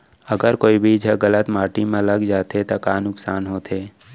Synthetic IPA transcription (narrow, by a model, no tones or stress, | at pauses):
əɡəɾkoːibʱid͡ʒʱəɡələt̪maːʈimẽləɡd͡ʒaːt̪et̪akaːnʊksaːnɦoːt̪eː